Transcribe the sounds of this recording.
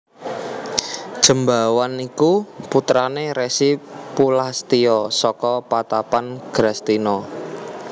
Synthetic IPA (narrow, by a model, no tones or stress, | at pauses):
d̥ʒ̥ə̤mbawanikuput̪ɾaneɾesipulahst̪iɔsɔkɔpat̪apanɡ̥ɾast̪inɔ